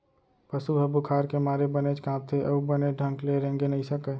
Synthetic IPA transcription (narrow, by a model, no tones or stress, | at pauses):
pəsuɦəbukʰaːɾkemaːɾebənet͡ʃkãːm̚t̪ʰeʔɐubəneɖʱə̃ŋkleɾɦẽːŋɡenəɦĩsəkə